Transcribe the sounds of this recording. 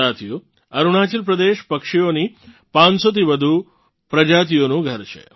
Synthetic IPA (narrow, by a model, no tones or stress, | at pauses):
at̪ʰijo | əɾuɽ̃at͡ʃəlpɾəd̪eʃpəkʂioni | pãnsot̪ʰiʋəd̪ʱu | pɾəd͡ʒat̪̬ijonũɡʱəɾt͡ʃʰḛ